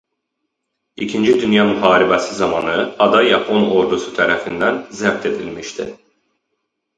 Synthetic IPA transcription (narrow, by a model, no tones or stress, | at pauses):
icʰind͡ʒid̪ynjɑmyhɑːɾibæsizɑmɑnɯɑd̪ɑjɑpʰo̞no̞ɾd̪usu̥t̪ʰæɾæfind̪ænzæb̚t̪ʰe̞d̪ilmiʃt̪ʰḭ